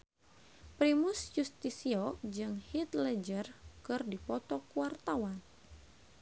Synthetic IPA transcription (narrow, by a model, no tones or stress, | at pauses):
pɾimusjust̪isiɔd͡ʒɨŋhit̪lɛd͡ʒərkɨrdipɔt̪ɔkuwart̪awan